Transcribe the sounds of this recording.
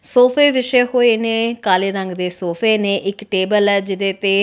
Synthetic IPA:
soːpʰeːʋɪʃeːhoːiːneːkaːliːɾəŋɡd̪eːsoːpʰeːneːʔɪkʈeːbəlɛːd͡ʒɪd̪eːt̪eː

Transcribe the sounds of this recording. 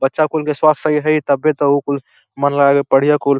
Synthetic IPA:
bətːʃakulkeswast̪əiɦəit̪əbet̪ɔukul | mənlaɡepəɽ̤ijakul

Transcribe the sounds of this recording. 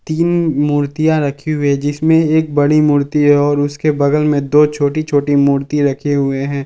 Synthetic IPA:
t̪iːnmʊːɾt̪ijãɾɐkʰeɦʊed͡ʒɪsmẽeːk̚bɐɽimʊːɾt̪iɦɛɔːɾʊskebɐɡəlmẽd̪oːt͡ʃʰoːʈit͡ʃʰoːʈimuːɾt̪iɾɐkʰeɦʊeɦɛ̃ː

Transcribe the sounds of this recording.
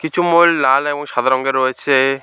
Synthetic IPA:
kit͡ɕʰumollalɛbɔŋʃad̪ʱaɾɔŋɡeɾːɔet͡ɕʰe

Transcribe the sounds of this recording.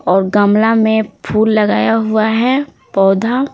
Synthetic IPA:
ɔːɾɡəmlamẽpʰuːlːɐɡaːjaɦʊaɦɛ | pɔːd̪ʱa

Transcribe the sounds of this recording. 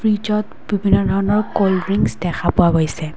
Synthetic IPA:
fɹid͡ʒɔt | bibʱinːɔdʱɔɹɔnɔɹkolɹiŋsdɛxʰapʊaɦojsɛ

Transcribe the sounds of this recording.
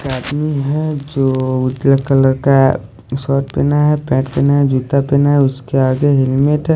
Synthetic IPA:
kaːd̪miɦɛd͡ʒoːʊd͡ʒlakələɾka | sɔːʈ̚peːnaɦɛpɛ̃ːʈ̚peːnaɦɛd͡ʒut̪apeːnaɦɛʊskeaːɡeɦɪlmeʈɦɛ

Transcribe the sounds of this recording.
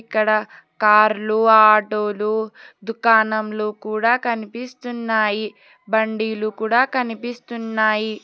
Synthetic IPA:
kːɐɽɐ | kaːɾluaːʈoːlud̪ukaːnɐmloːkuːɽaːkɐnipist̪unːaːji | bɐɳɖiːlukuːɽaːkɐnipist̪unːaːji

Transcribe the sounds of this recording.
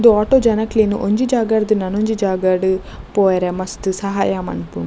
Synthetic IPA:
d̪uaːʈoːd͡ʒɐnɐkleːnuʔoɲd͡ʒid͡ʒaːɡɐɾd̪unɐnoɲd͡ʒid͡ʒaːɡaɽu | poːjɐɾemɐst̪usɐɦaːjamɐ̰npṵ

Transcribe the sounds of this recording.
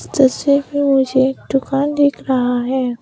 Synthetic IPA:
t̪əsebʱimʊd͡ʒʱeʈʊkaːnd̪eːkʰɾɐɦaɦɛː

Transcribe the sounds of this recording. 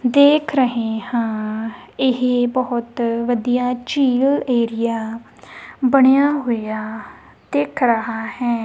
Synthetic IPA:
d̪eːkʰɾəɦeːhãːɪɦebəɦʊt̪ʋəd̪ijaːt͡ʃiːʋɪleːɾɪjaː | bəɳ̃jaːɦʊjaː | d̪̥eːkʰɾəɦaːhɛː

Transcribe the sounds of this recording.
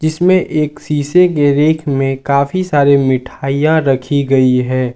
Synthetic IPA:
d͡ʒɪsmẽʔeːksiːsekeɾeːkʰmẽkaːfisaːɾemɪʈʰaːijãɾɐkʰiɡɐiɦɛː

